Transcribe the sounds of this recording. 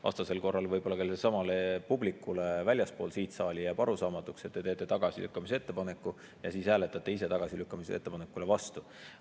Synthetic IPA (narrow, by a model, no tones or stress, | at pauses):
vɑ̰st̪ɑse̞lko̞rːɑlvɤjbo̞lːɑkelesɑmɑlepublikːˑulevælʲjɑspo̞ːlsiːt̪sɑːlʲijɑpɑɾusɑːmɑt̪ːˑukset̪ːe̞t̪e̞ːt̪ːˑe̞t̪ɑɡ̥ɑsḭlʔy̰kːɑmisee̞t̪ːe̞pɑne̞kːˑu | jɑsiːshæːle̞t̪ːˑɑt̪ːˑe̞ise̞t̪ɑɡ̥ɑsilykːɑmiseḛt̪ːepɑnekːˑule̞vɑst̪u